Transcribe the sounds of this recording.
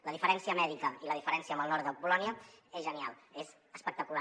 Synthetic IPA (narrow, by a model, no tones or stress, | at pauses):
ləðifəɾɛnsiəmɛðikəiləðifəɾɛnsiəmbəlˠnɔɾt̪əpulɔniəezʒənialˠez | əspəkt̪əkula